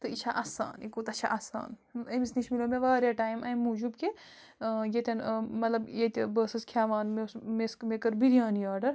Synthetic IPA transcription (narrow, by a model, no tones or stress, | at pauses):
t̪ɨit͡ʃʰaʔaːsa̰ːnikuːt̪ɐt͡ʃʰa̰ʔasa̰ːnɐmisniʃmilomeʋaːɾjaːʈaːjmɐjmːuːd͡ʒubke | jet̪ʲɐnmɐt̪lɐbjet̪ʲbəːsɐskʰaːʋaːnmesmeskmekɐɾbiɾijaːniaːɾɖɐɾ